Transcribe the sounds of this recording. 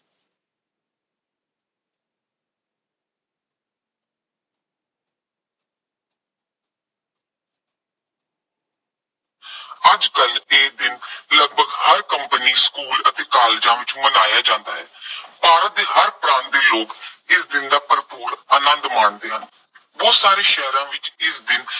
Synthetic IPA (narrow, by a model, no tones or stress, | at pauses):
əd͡ʒkəleːk̚d̪ɪnləɡ̚bʱəɡhəɾkəmpəniːskuːlət̪eːkaːld͡ʒãːʋɪt͡ʃmənaːjaːd͡ʒãːnd̪aːɦɛːpaːɾət̪̚d̪eːhəɾpɾãːnt̪d̪eːloːkɪsd̪ɪnd̪aːpəɾpoːɾəːnənd̪maːɳd̪eːɦən | ʋoːsaːɾeːʃɛɦɾãːʋɪt͡ʃɪsd̪ɪn